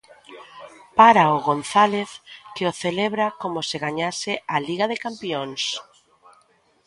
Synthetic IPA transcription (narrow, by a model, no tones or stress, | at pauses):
paɾaoɣonθaleθkɪoθeleβɾakomʊsɪɣaɲasɪaliɣaðekampions